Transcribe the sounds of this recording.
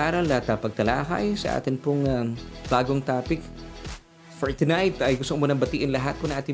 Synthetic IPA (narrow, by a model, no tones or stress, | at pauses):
aːɾɐlːɐhat̪ːɐpɐɡ̚t̪ɐla̰ːkɐ̰jsɐ̰ʔa̰ːt̪ɪnpʊŋab̥aːɡoŋt̪aːpɪk | foɹt̪najt̪ɐjɡʊst̪omonɐbɐt̪iːʔɪnlɐɦat̪̚ponɐŋʔaːt̪ɪ